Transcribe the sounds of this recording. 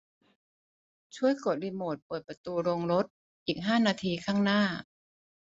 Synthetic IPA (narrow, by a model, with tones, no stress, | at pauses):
t͡ɕʰu˥˩əjko˨˩t̪̚li˧˥moː˨˩t̪̚puː˨˩j̪̚pɾa˧t̪uː˧ɾoː˧ŋɾo˦˥t̪̚ | ʔiː˨˩k̚ɦaː˥˩naː˧t̪ʰiː˧kʰaː˥˩ŋnaː˥˩